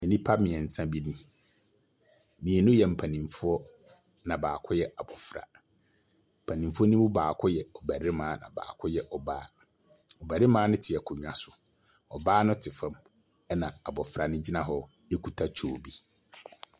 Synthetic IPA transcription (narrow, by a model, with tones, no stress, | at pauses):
ɛ˨nĩ˦pʰa˦mɪ̃˨ɛ˨n̩˨sã˦bi˦nĩ˦ | mĩ˨ɛ˨nʊ̃˦jɛ˨m̩˨pʰæ̃˨nĩ˨fu˦ɔ˦ | nã˨baː˨kʰʊ˦jɛ˦ʔa˨bɔ˨fɾa̰˨ | m̩˨pʰæ̃˨nĩ˨m˨fu˦ɔ˦nĩ˦mũ˦baː˨kʰʊ˦jɛ˨ɔ˨bæ˨ɾɪ˦mãː˨˦nã̰˨ba̰ː˨kʰʊ˦jɛ˦ʔɔ˨baː˦ | ɔ˨bæ˨ɾɪ˦mãː˦nʊ̃˦tʰɪ˨ɛ˨kʰɔ˨ɲᶣ˨˦a˦sʊ˨ | ɔ˨baː˦nʊ̃˦tʰɪ˨fã˦m | ɛ˦nã˨a˨bɔ˨fɾa˨nɪ̃˦ɲd͡ʑᶣi˦nã˦˨ɦɔ˦ | e˦kʰu˨tʰa˦tʰoː˨bi˦